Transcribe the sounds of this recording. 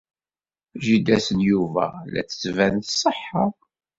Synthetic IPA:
ʒid̪æsənjuvæ̰læ̰t͡sːə̥t͡sːvænθsˤːəħːə

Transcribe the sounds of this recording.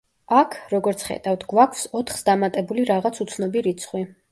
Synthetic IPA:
akʰɾɔɡɔɾt̪sʰχɛ̰d̪avd̪ɡwakʷʰfsɔt̪ʰχsd̪amat̪ʼɛbuliɾaʁat̪sʰut̪sʰnɔbiɾit̪sʰχwi

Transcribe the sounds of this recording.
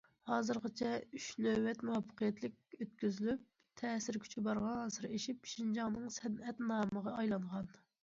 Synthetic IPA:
hɑːzɨɾʁət͡ʃʰɛyʃnøwːɛt̪muɑpʰːə̥qʰijɛt̪lɪk̚ʲøt̪̚kʲyzylyp̚ | t̪ʰɛːsɪɾkʲʰy̥t͡ʃʰibɑɾʁɑɑsɨɾeʃipʃind͡ʒɑŋnɨŋsɛnɛt̪nɑːməʁɑɑjlˠɑɴʁɑn

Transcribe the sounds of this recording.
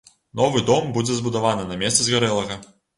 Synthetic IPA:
nɔvɨd̪ɔmbud͡zʲɛzbud̪avanɨnɐmʲɛst̪sɨzɣaɾɛlˠɐɣɐ

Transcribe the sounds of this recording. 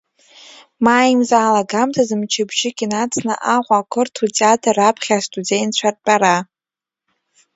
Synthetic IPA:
maːjimzaːlaɡamtʰazɨmt͡ʃʰɪbʒɪkʲinat͡sʰʼnɨ̰ʔaʁʷakʷʰɨrtʰutʼeatʰarapʰχʲastʼud͡zejnt͡ɕʷʰar̚ʼt͡pʼaɾa

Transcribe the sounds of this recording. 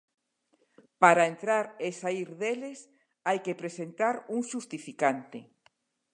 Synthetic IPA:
paɾaent̪ɾaɾesaiɾðeles | ajkepɾesent̪aɾuŋʃust̪ifikant̪e

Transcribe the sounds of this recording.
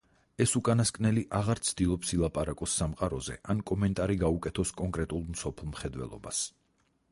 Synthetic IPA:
ɛsukʼanaskʼnɛliʔaʁaɾt̪sʰd̪̥ilˠɔpsilˠapʼaɾakʼɔsːamqʼaɾɔzɛ̰ʔankʼɔmɛnt̪ʼaɾiɡaukʼɛt̪ʰɔskʼɔŋkʼɾɛt̪ʼulˠmsɔpʰlˠmχɛd̪wɛ̰lˠɔ̰bas

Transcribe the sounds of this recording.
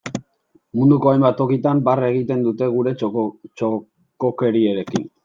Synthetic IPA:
mund̪uko̞ajmbat̪o̞kit̪ambare̞ɣ̞it̪e̞nd̪ut̪e̞ɣuɾe̞t͡ʃo | koke̞ɾieɾe̞kḭn

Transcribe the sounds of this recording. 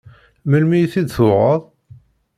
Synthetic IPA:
məlmijθid̪θʊʁəðˤ

